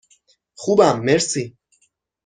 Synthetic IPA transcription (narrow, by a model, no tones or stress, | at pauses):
χubamːeɾsi